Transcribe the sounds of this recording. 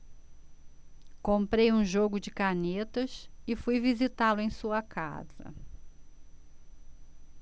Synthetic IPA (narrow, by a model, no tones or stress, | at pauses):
kõmpɾejũʒoɡʊd͡ʒɪkanet̪ɐsɪfujvizit̪alʊẽj̃suɐkʰa̰z̥ɐ̰